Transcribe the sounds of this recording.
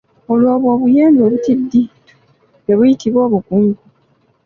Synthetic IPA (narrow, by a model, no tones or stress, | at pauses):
olwoβwoːβujeːndoːβutidːi | jeβujitiβo̞ːβukuːŋɡu